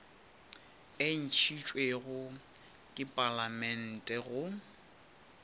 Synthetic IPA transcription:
en̩t͡ʃʰit͡ʃʼweɣʊ | kʼɪpʼalamɛn̩tʼɛɣʊ

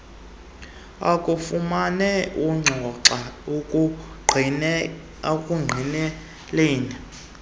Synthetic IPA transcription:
a̰kʼufumanɛʔuŋ͡ǀʱɔǁaukʼ | akʼuŋ͡ǀʱinɛ | leːni

